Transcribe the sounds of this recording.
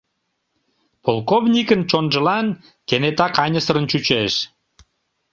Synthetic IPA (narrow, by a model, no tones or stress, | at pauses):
polˠkovnʲikənt͡ɕonʒəlɑn | kenet̪ɑkɑnʲəsəɾənt͡ɕut͡ɕeʃ